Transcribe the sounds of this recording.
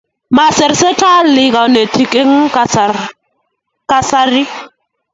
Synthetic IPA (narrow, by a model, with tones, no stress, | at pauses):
ma˨sɪ˨ɾse˦tʰa˦llɪ˦ka˨ne˨tʰi˨kʼe˦ŋ̩˦ka˨s | kʼa˦sa˦ri˦